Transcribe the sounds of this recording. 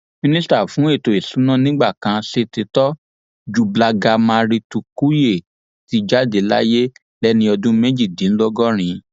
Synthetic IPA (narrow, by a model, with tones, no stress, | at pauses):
mĩ˦nĩ˦sta˨fũ˨˦e˦˨to˨i˨su˨˦nã˦nĩ˦ɡ͡ba˦˨kã˧se˧te˧tɔ˦ | d͡ʒu˨˧bla˧ɡa˧mã˧ɾi˧tu˧ku˦je˦˨ | ti˨˧d͡ʒa˦de˨˦la̰˦je˦ | lɛ˦nĩ˧ɔ˧dũ˦mɛ˦d͡ʒi˦˨dĩ˨˦n̩˦lɔ˦ɡɔ˦ɾ̃ĩ˧˦